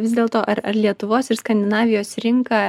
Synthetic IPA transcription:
ʋʲɪzd̪ʲeːlˠt̪oːʔɐɾɐɾlʲiɛt̪ʊʋoːsɪɾskɐnʲd̪ʲɪnɑːʋʲɪjoːsɾʲɪŋkɑː

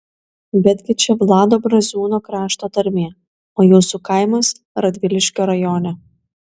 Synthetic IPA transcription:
bʲɛd̪ʲɡʲɪt͡ʃʲɛʋlˠɑːd̪oːbɾɐzʲuːnoːkɾɑːʃt̪oːt̪ɐɾʲmʲeː | oːjuːsukɐɪmɐs | ɾɐd̪ʲʋʲɪlʲɪʃʲkʲoːɾɐjoːnʲɛ

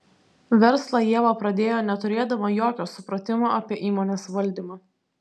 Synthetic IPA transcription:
ʋʲɛɾslˠɐjiɛʋɐpɾɐd̪ʲeːjoːnʲɛt̪ʊɾʲeːd̪ɐʋɐjoːkʲoːsʊpɾɐt̪ʲɪmoːʔɐpʲiɛʔiːmoːnʲeːsʋɐlʲd̪ʲiːmɑː

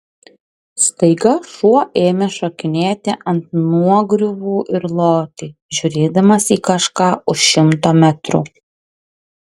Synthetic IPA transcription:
st̪ɐɪɡɐʃuɔʔeːmʲɛʃokʲɪnʲeːt̪ʲɪʔɐnt̪̚nuɔɡɾʲʊʋuːʔɪɾlˠoːt̪ʲiːʒʲʊɾʲeːd̪ɐmɐsiːkɐʃkɑːʊʃʃʲɪmt̪oːmʲæt̪ɾʊ̰

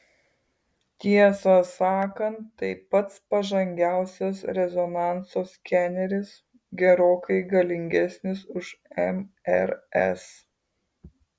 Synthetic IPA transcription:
t̪ʲiɛsɐsɑːkɐnt̪ːɐɪpɐt̪spɐʒɐŋʲɡʲæˑʊsʲɛsɾʲɛzɔnɑˑnsoːskʲæːnʲɛɾʲɪs | ɡʲɛɾoːkɐɪɡɐlʲɪŋʲɡʲɛsʲnʲɪsʊʃɛmɛɾɛs

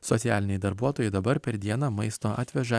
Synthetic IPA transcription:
sɔt̪sʲjæːlʲɪnʲɛjd̪ɐɾbuɔt̪oːjɛɪd̪ɐbɐɾpʲɛɾd̪ʲiɛnɑːmɐɪst̪oːʔɑːt̪ʲʋʲɛʒɐ

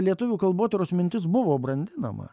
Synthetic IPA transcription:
lʲiɛt̪ʊʋʲuːkɐlˠboːt̪ʲɛɾoːsmʲɪnʲt̪ʲɪs̬bʊʋoːbɾɐnʲd̪ʲɪnɐ̰mɐ̰

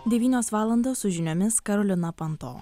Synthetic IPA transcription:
d̪ʲɛʋʲiːnʲoːsʋɑːlˠɐnd̪oːsʊʒʲɪnʲoːmʲɪskɐɾɔlʲɪnɐpɐnt̪o̰ː

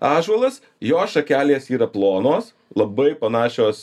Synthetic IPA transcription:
ɑːʒʋɐlˠɐs | joːsʃɐkʲæːlʲeːsiːɾɐplˠoːnoːs | lˠɐbɐɪpɐnɑːʃʲoːs

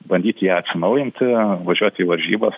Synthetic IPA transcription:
bɐnʲd̪ʲiːt̪ʲjæːɐt̪ʲsʲɪnɐʊjɪnʲt̪ʲʋɐʒʲuɔt̪ʲiːʋɐɾʲʒʲiːbɐs

